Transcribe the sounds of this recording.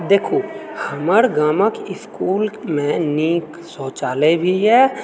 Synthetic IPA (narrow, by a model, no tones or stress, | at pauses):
d̪eːkʰoːhəməɾɡaːməkɪskuːlmẽniːk | soːt͡ʃaːlebʱiɦɛː